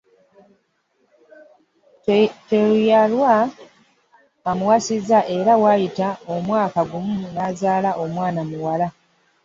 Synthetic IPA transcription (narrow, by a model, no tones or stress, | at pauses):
tejalwa | muwasizaʔe̞ɾawaːjitaomwaːkaɡumunazaːlaʔo̞mwaːnamuwala